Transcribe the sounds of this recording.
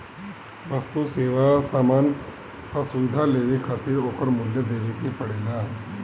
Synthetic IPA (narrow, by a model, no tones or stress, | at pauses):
ʋəst̪useʋasaman | pasuʋid̪ʱaleʋikʰat̪iːɾokəɾmuljəd̪eʋekipəɽela